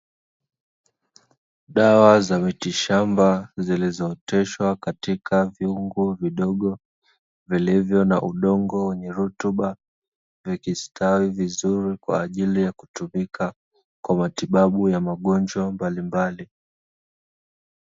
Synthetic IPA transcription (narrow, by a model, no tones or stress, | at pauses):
ɗawazamitiʃambazilizɔtɛʃwakatikʰaviuŋɡuviɗɔɠɔ | vilivjɔnaʔuɗɔŋɡɔwɛɲɛɾutuɓa | vikistawivizuɾikwa̰ːʄilijaku̥tumika | kwamatiɓaɓujamaɠɔnd͡ʒwambalimbali